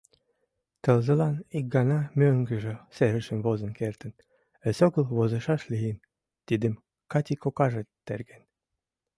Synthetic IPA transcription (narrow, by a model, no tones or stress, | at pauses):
t̪ə̆lzə̆lɑnik̚ɡɑnɑmʲøŋɡə̆ʒĕseɾə̆ʃə̆mβozə̆nkert̪ə̆n | ə̆soɡə̆lβozə̆ʃɑʃlien | t̪id̪ə̆m | kɑt̪ʲikokɑʒĕt̪ːḛrɡen